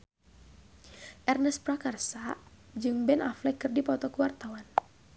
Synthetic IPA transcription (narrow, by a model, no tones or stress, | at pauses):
ʔɛrnəspɾakarsa | d͡ʒɨŋbɛnʔaflɛkːɨrdipɔt̪ɔkəwart̪awan